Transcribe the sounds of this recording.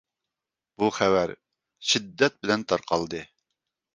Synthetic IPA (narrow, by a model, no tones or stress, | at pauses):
b̥uχɛwæɾ | ʃid̪ːɛt̪̚bɪlɛnt̪ʰɑɾqʰɑlˠd̪ɨ